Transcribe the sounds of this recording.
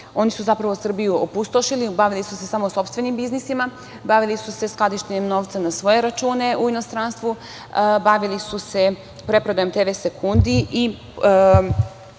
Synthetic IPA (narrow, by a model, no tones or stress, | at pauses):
o̞nisuzapɾaʋosr̩bijuopust̪oʃilibaʋilisuse̞samoso̞pst̪ʋe̞nimbiznisima | baʋilisuse̞sklˠad̪iʃt̪eɲemno̞ʋt̪sanasʋo̞je̞ɾat͡ʃuːne̞ʔuino̞st̪ɾaːnst̪ʋu | baʋilisuse̞ | pɾe̞pɾod̪ajomt̪eʋese̞kʰund̪ii